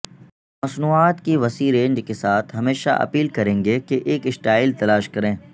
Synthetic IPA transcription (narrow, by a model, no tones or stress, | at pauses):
mɐsnuːaːt̪kiʋɐsiːɾẽːɲd͡ʒkesaːt̪ʰɦɐmeːʃa̰ʔɐ̰piːlkɐɾẽːŋɡekeʔeːkɪsʈaːɪlt̪ɐlaːʃkɐɾẽː